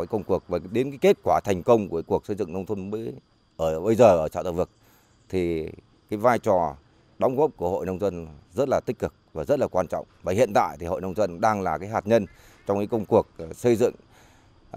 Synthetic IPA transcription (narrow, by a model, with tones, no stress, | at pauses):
aː˨˦kə˧wŋ͡mku˨˩ək̚vaː˨˩ɗe˨˦nkaː˨˦ke˦˥t̚kwaː˧˩t̪ʰɛ˨˩jŋ̟kə˧wŋ͡mkka˨˦ku˨˩əksə˧jzɨ̰˧˨ŋnə˧wŋ͡mt̪ʰə˧nmə˧˦ | ʔəː˧˩ɓə˧jzəː˨˩ʔəː˧˩t͡ɕa̰ː˧˨t̪a̰ː˧˩vɨ˨˩ək̚ | t̪ʰi˨˩ | kaː˨˦jvaː˧jt͡ɕɔ˨˩ | ɗɔ˨˦wŋ͡mɣɔ˦˥p̚ku˧˩əho̰˧˨jnə˧wŋ͡mzə˧nzə˦˥t̚laː˨˩t̪ï˦˥k̟̚kɨ˨˩k̚vaː˨˩zə˦˥t̚laː˨˩kwaː˧nt͡ɕɔ̰˧˨wŋ͡mvaː˨˩hḭ˧˨ənt̪a̰ː˧˨jt̪ʰi˨˩ho̰˧˨jnə˧wŋ͡mzə˧nɗaː˧ŋlaː˨˩kaː˨˦jɦaː˨˩t̚ɲə˧n | t͡ɕɔ˧wŋ͡mkaː˨˦kə˧wŋ͡mku˨˩ək̚sə˧jzɨ̰˧˨ŋ